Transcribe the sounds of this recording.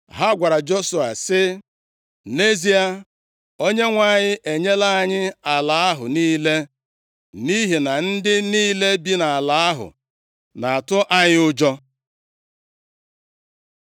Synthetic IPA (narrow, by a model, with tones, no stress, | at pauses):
ɦa˦ɡʷa˨ɾa˨d͡ʒo˦su˨a̰˨sɪ˦ | ne˦zi˦a˨ | o˦ɲe˦ŋʷa˨˦˨ɲɪ˦ʔe˨ɲe˦la˦a˦ɲɪ˦a˨la˨˦a˦ɦʊ̰˨niː˦le˦ | ni˦ɦi˨na˨n̩˦dɪ˦niː˦le˦bi˦na˨a˨la˨˦a˦ɦʊ̰˨ | na˨a˨tʊ˦ʔa˦ɲɪ˦ʊ˦d͡ʒɔ˦